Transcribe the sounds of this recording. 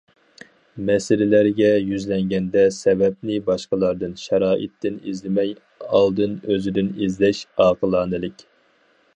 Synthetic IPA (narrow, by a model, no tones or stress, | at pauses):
mɛsɪlɪlæɾɡʲɛjyzlɛŋɡʲɛnd̪ɛsɛbɛp̚nɪbɑʃqəlˠɑɾd̪ɨnʃɑɾɑːʔɨ̰t̪ːɪnḭzlɪmɛj | ɑlˠd̪ɨnøzɪd̪ɪnizlɛʃɑːqʰəlˠɑːnɨlɪkʲ